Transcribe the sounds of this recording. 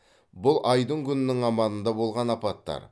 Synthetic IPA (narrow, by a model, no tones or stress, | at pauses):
bʊlˠʔɑjd̪əŋkʲʰʏnɪnɪŋɑmɑnənd̪ɑbo̞lˠʁɑnɑpɑt̪ːɑ̰ɾ